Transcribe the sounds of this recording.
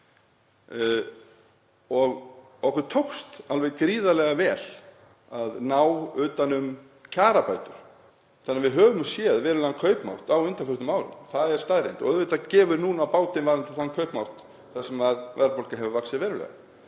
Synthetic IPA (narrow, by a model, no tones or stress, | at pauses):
ɔɣ | ɔhkʏɾt̪ʰowkst̪alvɛɣkɾiːðalɛɣavɛːl̥ | aðnaːwʏːt̪anʏm | cʰaːɾapaːjt̪ʏɾ̥ | θanːavɪðɦœːvʏmsjɛðvɛːɾʏlankʰœɥpma̰w̥t̪awʏnt̪anfʏɾ̥t̪ʏmaːwɾɪ̰nθaðɛɾ̥st̪aːðɾḛjnt̪ɔ̰ɣœðvet̪ːacɛːvʏɾnuːnaːwpaːwt̪ɪnvaːɾɪnt̪ɪ̥θankʰœɥpmaw̥t̪ | θḁsɛmːaðvɛɾpolkaɦɛvʏvaksɪvɛːɾʏlɛ̰ɣa̰